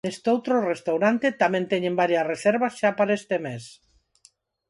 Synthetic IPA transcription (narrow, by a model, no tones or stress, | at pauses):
est̪owt̪ɾorest̪awɾant̪et̪amẽnt̪eɲembaɾjasreseɾβasʃapaɾest̪emes